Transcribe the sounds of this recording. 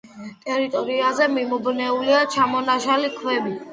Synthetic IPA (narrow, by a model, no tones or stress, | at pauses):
t̪ʼɛɾit̪ʼɔɾiazɛmimɔbnɛuliat͡ʃʰamɔnaʃalikʰwɛbi